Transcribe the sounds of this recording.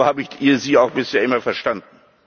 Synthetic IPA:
haːbəɪçʔiːɐziːaʊxb̥ɪsheːɐɪmɐfɛɐʃtand̚n̩

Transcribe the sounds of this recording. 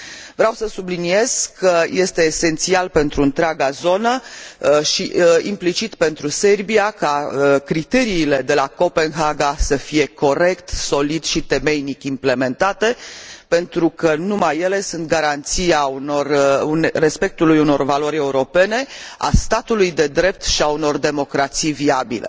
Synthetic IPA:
vɾeawsəsublinie̞z̥kʰːəje̞st̪e̞ːse̞nt̪sialpe̞nt̪ɾuɨnt̪ɾeaɡazo̞nə | ʃiimplit͡ʃit̪pe̞nt̪ɾuse̞rbiakakɾit̪e̞ɾiːle̞d̪e̞lako̞pe̞nɦaɡasəfije̞ko̞ɾe̞kt̪so̞lid̪ʃit̪e̞me̞jnikʲimple̞me̞nt̪at̪e̞pe̞nt̪ɾukənumajːe̞le̞sunt̪̚ɡaɾant̪siaunorunre̞spe̞k̚t̪ulujuno̞rvalo̞ɾʲe̞uɾo̞pe̞ne̞a̰st̪at̪ulujd̪e̞d̪ɾe̞p̚t̪ʃiauno̞rd̪e̞mo̞kɾat̪sijviabḭlḛ

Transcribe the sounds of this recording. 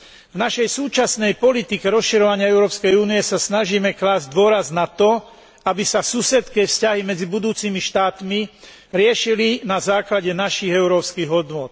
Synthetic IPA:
vnaʃɛjsuːt͡ʃasnɛjpɔlit̪ikɛɾɔsʃiɾɔʋaɲɪaɛʊɾɔːpskɛjuːnijɛsasnaʒiːmɛklaːzɟd̪ʋʊɔɾaznat̪ɔ | abisasuːsɛt̪kɛːfscaɦimɛd͡zibud̪uːt͡siːmiʃt̪aːt̪mi | ɾɪɛʃilinazaːklaɟɛnaʃiɣɛʊɾɔːpskiːɣɦɔd̪nʊɔt̪

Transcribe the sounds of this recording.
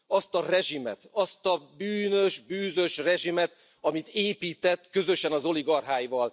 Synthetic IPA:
ɒst̪ɒrɛʒimɛt̪ɒst̪ɒbyːnø̞ʒbyːzø̞ʃrɛʒimɛt̪ | ɒmit̪eːpiːt̪ɛt̪ːkø̞zø̞ʃɛnɒzo̞liɡɒrɦaːjvɒl

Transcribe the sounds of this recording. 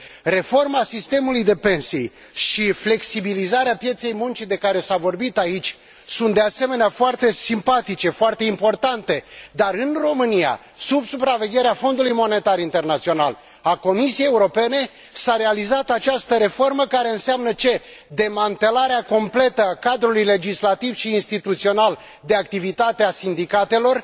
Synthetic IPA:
re̞fo̞rmasist̪e̞mulujd̪e̞pe̞nsiḛj | ʃifle̞ksibilizaɾeapje̞t̪se̞jmunt͡ʃid̪e̞kaɾe̞savo̞rbit̪ait͡ʃʲ | sunt̪d̪ease̞me̞neafoart̪e̞simpat̪it͡ʃe̞foart̪e̞impo̞rt̪ant̪e̞d̪aɾɨnro̞mɨnija̰ | subsupɾave̞ɡʲe̞ɾeafo̞nd̪ulujmo̞ne̞t̪aɾint̪e̞rnat̪sio̞nal | ako̞misiejeuɾo̞pe̞ne̞ | saɾe̞alizat̪at͡ʃast̪əɾe̞fo̞rməkaɾe̞ɨnseamnət͡ʃe̞ | d̪e̞mant̪e̞laɾeako̞mple̞t̪əakad̪ɾulujle̞d͡ʒislat̪ivʃiːnst̪it̪ut̪sio̞nal | d̪e̞akt̪ivit̪at̪easind̪ikat̪e̞lo̞r

